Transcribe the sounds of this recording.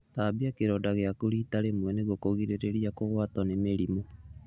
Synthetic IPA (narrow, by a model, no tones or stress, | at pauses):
t̪aːbiakeɾɔdaɣeakuɾiːtaɾemwɛneɣokoɣiɾeɾeɾiakoɣwatɔnemeɾimo